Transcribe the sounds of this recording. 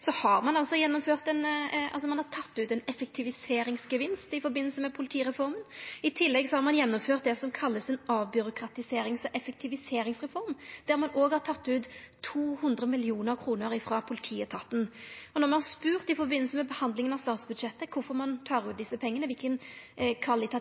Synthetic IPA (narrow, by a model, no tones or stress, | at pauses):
sɔhɑɾmɑnɑlsɔjɛnːɔmføːʁt̪ɛnʔɑ̰lsɔmɑnhɑɾt̪ʰɑt̪ːʉːt̪ɛnɛfɛk̚t̪ʰɪʋɪseːɾɪŋsɡəʋɪnst̪ɪfɔɾbɪnːlsəmɛpʰʊlɪt̪ʰiːɾɛfɔɾmənɪt̪ʰɪlːɛɡsɔhɑɾmɑnjɛnːɔmføːʁt̪̚d̪ɛsɔmkʰɑlːəsɛnɑːʋbʏɾʊkʰɾɑt̪ɪseːɾɪŋsɔʔɛfək̚t̪ʰɪʋɪseːɾɪŋsʁɛfɔɾmd̪̥æɾmɑnoːɡhɑɾt̪ʰɑt̪ːʉːt̪ʰː | uːhʉnd̪ɾəmɪlɪuːnəɾkʰɾuːnəɾɪfɾɑːpʰʊlɪt̪ʰiːət̪ʰɑt̪n̩ɔnɔʁmɑnhɑɾspʉːʁt̪ɪfɔɾbɪnl̩səmɛbəhɑnd̪lɪŋənɑʋst̪ɑːt̪sbʉd̪ʃɛt̪ːəkʰʊɾfɔɾmɑnt̪ʰɑːɾʉːt̪d̪ɪsːəpʰɛŋːənəʋɪlkənkʰʋɑlɪt̪ʰɑ